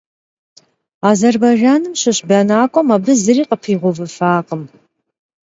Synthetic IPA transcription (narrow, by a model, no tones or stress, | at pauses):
aːzɐrbaʒaːnɨmɕɪɕbɐnaːkʷʼɔmabɨzɨriːqəpʰiːʁʷɔvɨfaːqʼəm